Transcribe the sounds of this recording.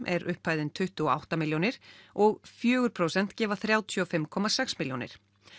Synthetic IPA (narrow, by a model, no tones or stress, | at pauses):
mʔɛɾʔʏhpːaːjðɪnt̪ʰʏht̪uɔa̰wht̪amɪljownɪɾ̥ɔɣfjœːɣʏɾ̥pʰɾowsɛn̥t̪cɛːvaθɾjaːwt̪ʰʏɔfɪmkʰɔmasɛksmɪljownɪ̰ɾ̥